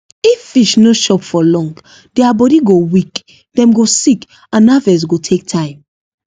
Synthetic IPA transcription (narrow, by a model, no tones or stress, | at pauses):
ifːiʃnoʃɔpfɔlɔ̃ŋɡ | dɛabɔdiɡowik | d̥ɛ̃mɡosik | ãnavɛs̬ɡotʰek̚tʰãɪ̃m